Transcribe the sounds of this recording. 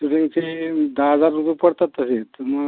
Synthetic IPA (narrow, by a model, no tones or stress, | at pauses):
uʈiŋɡt͡ɕed̪aɦəd͡zaɾːupepəɽt̪at̪əset̪əmə